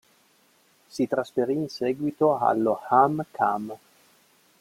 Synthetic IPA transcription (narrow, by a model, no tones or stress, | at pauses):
sit̪ɾasfeɾiːnsɛːɡwit̪oa̰lːohamkʰa̰m